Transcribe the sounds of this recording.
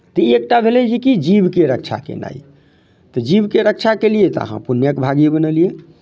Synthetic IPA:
t̪əek̚ʈabʱelɛd͡ʒikid͡ʒibkeɾəkt͡ʃʰa̰kḛna̰i | t̪ɔd͡ʒibkeɾək̚t͡ʃʰakelijet̪ɔə̰ɦã̰punjəkbʱaɡibənəlije

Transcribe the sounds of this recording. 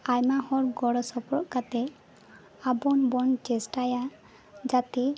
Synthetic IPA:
ajmahɔɾɡɔɽɔsɔpɾɔ̰ʔkat̪ɛ | abɔnbɔnt͡ʃɛsʈaja | d͡ʒat̪i

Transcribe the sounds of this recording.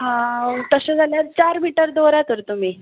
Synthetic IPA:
ɦãt̪əɕẽd͡zʱaljaɾt͡ɕaɾmiʈəɾd̪oɾak̪əɾt̪um̤iː

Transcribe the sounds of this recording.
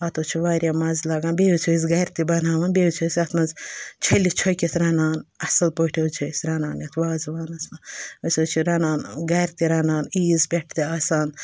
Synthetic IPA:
ɐt̪oːt͡ʃʰuʋaːɾʲjamɐzlɐːɡaːnbeːut͡ʃʰojs̬ɡɐjɾt̪ibɐnaːʋaːnbeut͡ʃʰojsʲɐt̪ʰmɐzt͡ʃʰɐlit͡ʃʰojkʲet̪ʰɾɐnaːnɐsɐlpoʈʰet͡ʃʰojsɾɐnaːnjɐt̪ʰʋaːzʋaːnɐsmɐɐsoːt͡ʃʰiɾɐnaːnɡɐjɾt̪iɾɐnaːniːzbʲeʈʰt̪iaːsaːn

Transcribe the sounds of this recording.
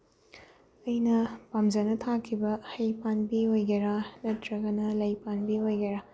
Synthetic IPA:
ɐjnɐpamd͡ʒɐnɐtʰakʰibɐhɐjpanbiojɡɐɾanɐtɾɐɡɐnɐlɐjpanbiojɡɐɾa

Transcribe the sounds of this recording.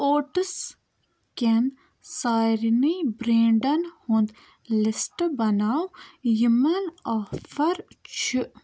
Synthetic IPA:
oːʈs | ken | saːjɾnibɾẽːɳɖɐnhũnd̪ | lɪsʈbɐnaːwjumɐnaːfɐɾt͡ʃʰi

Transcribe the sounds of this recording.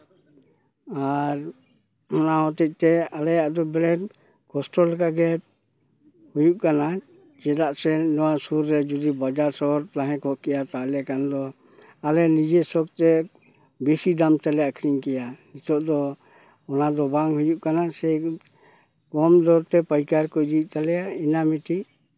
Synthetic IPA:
aɾ | ɔnaɦɔt̪ɛc̚ˀt̪ɛalɛjaʔd̪ɔbɛlɛt | kɔsʈɔlkaɡɛ | hujuʔkana | d͡ʒɛd̪aʔsɛnɔwasuɾːɛd͡ʒud̪ibad͡ʒaɾsɔɔɾlaɦɛ̃kɔʔkɛjat̪alɛkanad̪ɔ | alɛnid͡ʒɛsɔk̚t̪ɛ | bisid̪amt̪alɛjakʰɾiɲkɛjanit̪ɔʔd̪ɔ | ɔnad̪ɔbaŋhujuʔkanasɛ | kɔmd̪ɔɾt̪ɛpajkaɾkɔjd͡ʒic̚t̪alɛjainamit̪i

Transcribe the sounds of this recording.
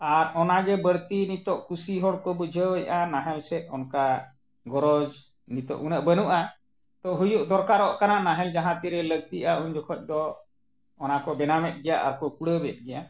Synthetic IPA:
aɾɔnaɡɛbəɽt̪init̪ɔʔkusiɦɔɽkɔbəd͡ʒʱəwəjʔanaɦɛlsɛʔ̪ɔnka | ɡɔɾɔd͡ʒ | nit̪ɔ̰ʔunəʔbənuʔa | t̪ɔɦujuʔd̪ɔɾkaɾɔʔkananaɦɛld͡ʒaɦãt̪iɾɛləɡ̚t̪iʔauɲd͡ʒɔkʰɔc̚ˀd̪ɔː | nakɔbɛnamɛt̪̚ɡɛjaʔa̰ɾkɔkuɽəbɛt̪̚ɡɛja

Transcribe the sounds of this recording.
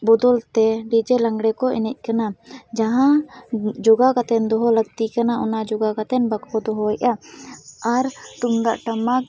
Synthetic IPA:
bɔd̪ɔlt̪ɛɖid͡ʒɛlaŋɡɽɛkɔʔɛ̰nɛc̚ˀkanad͡ʒaɦã | d͡ʒɔɡakat̪ɛnd̪ɔɦɔləɡ̚t̪ikanaʔɔnad͡ʒɔɡakat̪ɛnbakʰɔd̪ɔɦɔɛʔa | aɾt̪und̪a̰ʔʈamak

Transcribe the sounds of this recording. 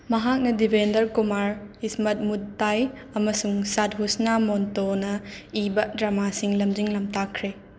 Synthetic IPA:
mɐɦak̚nɐdibʱendɐɾkumaɾhismɐt̚mut̚ːajɐmɐsuŋsat̚ɦusnamontonɐibɐdɾɐmasiŋlɐmd͡ʒiŋlɐmtakʰɾe

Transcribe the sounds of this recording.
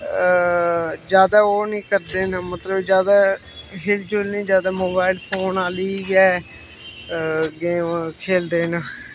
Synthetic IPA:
d͡ʒjaːd̪aːoːnĩːkəɾd̪eːnaːmət̪ləbd͡ʒjaːd̪aː | ɦɪld͡ʒʊlnĩːd͡ʒjaːd̪aːmoːbaːɪlpʰoːnaːliːɡɛː | ɡeːkʰeːld̪eːnaː

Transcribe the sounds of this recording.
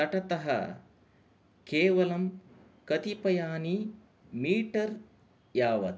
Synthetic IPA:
ɐʈɐt̪ɐɦɐ̰ | keːʋɐlɐm | kɐt̪ipɐjaːni | miːʈɐɾ | jaːʋɐt̪

